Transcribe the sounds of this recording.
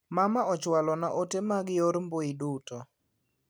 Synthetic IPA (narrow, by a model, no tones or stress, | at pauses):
mamaɔt͡ʃwalɔnaʔotemaɡɪjoɾmboidutɔ